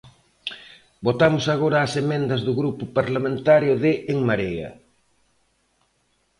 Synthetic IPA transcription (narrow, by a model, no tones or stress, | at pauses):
bot̪amʊsaɣ̞oɾɐːsemẽnd̪ɐzðʊɣɾupʊpaɾlamẽnt̪aɾjʊðɪeŋmaɾeɐ̰